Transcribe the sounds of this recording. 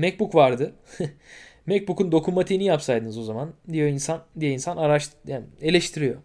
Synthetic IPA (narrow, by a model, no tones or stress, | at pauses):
mɛc̚bukvaɾd̪ɯ | mɛc̚bukund̪o̞kʰumːat̪ʰinijapsajd̪ɯnɯzo̞zamand̪ijo̞insand̪ijɛinsanaɾaʃjae̞lʲeʃt̪ʰiɾijo̞